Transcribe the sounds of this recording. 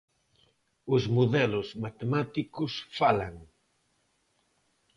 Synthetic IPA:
ʊzmuðɛlʊzmat̪emat̪ikʊsfalaŋ

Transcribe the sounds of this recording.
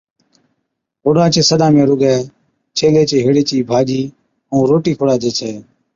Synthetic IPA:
ɦʊɽaːt͡ʃeːsəd̪ãːmẽːɾʊɡɛː | t͡ʃʰeːleːt͡ʃeːɦɪɽeːt͡ʃiːbʱaːd͡ʒiː | ũːɾoːʈiːkʰʊɽaːt͡ʃeːt͡ʃʰeː

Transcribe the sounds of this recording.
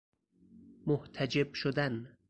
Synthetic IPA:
moht̪ʰæd͡ʒebʃod̪æn

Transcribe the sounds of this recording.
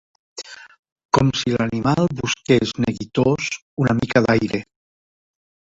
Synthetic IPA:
kɔmsilanimalˠβuskezneɣit̪oz | unamikaðajɾe

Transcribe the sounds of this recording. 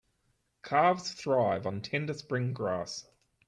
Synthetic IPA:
kʰɑːvz̥θɹaɪṽn̩tʰɛ̃ndəspɹɪ̃ŋɡɹɑ̰ˑs

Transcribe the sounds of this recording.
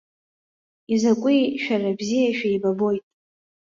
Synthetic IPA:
izakʷʼijʃᶣarabzijaʃᶣaibabo̞jtʼ

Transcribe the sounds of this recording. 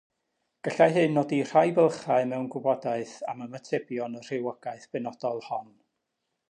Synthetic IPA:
ɡ̥əɬaɦɨnːoːdir̥ajvəlˠχaɨmɛwnɡʊbɔdaɨθaməmətʰɛbjɔnər̥ɪwɔɡaɨθb̥ɨnɔd̥ɔlˠhɔn

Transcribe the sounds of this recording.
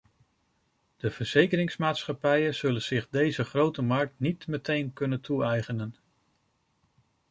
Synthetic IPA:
d̥əv̥əɹz̥ejkəɾɪŋsmaːtsχɑpɛjənz̥ɵlənz̥ɪχdejzəχrowtəmɑɹk̚tnitmətejnkɵnəntuɛjχənən

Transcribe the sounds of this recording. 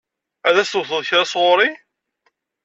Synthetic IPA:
æðæst̪ʊθəðˤçɾasʁʊɾi

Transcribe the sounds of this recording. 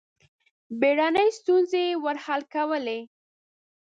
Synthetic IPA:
beɽanəjst̪unzewəɾhalkawəle

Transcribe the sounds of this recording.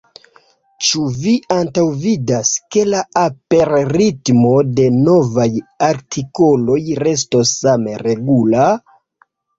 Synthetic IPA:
t͡ʃuviantawvidaske̞laape̞ɾɾitmo̞de̞no̞vajaɾtʰiko̞lo̞jɾe̞s̬to̞sːameɾe̞ɡula

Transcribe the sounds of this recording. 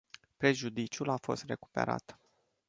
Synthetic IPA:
pɾe̞ʒud̪it͡ʃulafo̞̰st̪re̞ku̥pe̞̰ɾa̰t̪

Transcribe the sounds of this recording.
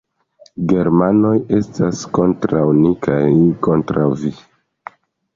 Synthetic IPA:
ɡe̞ɾmano̞je̞stasko̞ntɾawnikʰajko̞ntɾawvi

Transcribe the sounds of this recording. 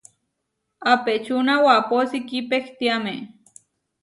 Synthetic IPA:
apet͡ʃunawaposikipekt̪iame

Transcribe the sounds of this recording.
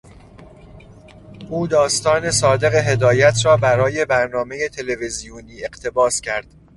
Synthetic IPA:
ʔuːd̪ɒːst̪ɒːne̞sɒːd̪e̞ɣe̞ɦe̞d̪ɒːjæt̪ʰɾɒːbæɾɒːje̞bæɾnɒːme̞jet̪ʰe̞levezijuːniːe̞ɢt̪ʰe̞bɒːscʰæɾd̪̥

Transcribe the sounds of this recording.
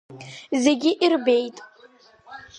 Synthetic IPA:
ze̞ɡʲɪʔirbe̞jtʼ

